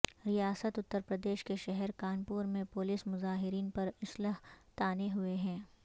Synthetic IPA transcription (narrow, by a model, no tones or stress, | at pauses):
ɾijaːsət̪ʊt̪ːəɾpɾəd̪eːʃkeʃɛɦɛɾkaːnpuːɾmẽpʊlismʊzaːɦɪɾiːnpɐɾɪsləɦt̪aːneɦʊeɦɛ̃ː